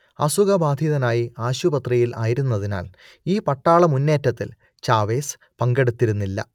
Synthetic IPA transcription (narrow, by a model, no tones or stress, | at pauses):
ɐsuɣɐbaːd̪ʱiðɐnaːjiaːɕubɐt̪rijila̰ːjɾunːɐðina̰ːl | iːpɐʈːaːɭɐmunːe̞ːtːɐt̪ːḭl | t͡ɕaːʋe̞ːs | pɐŋɡe̞ɽut̪ːiɾunːilːɐ̰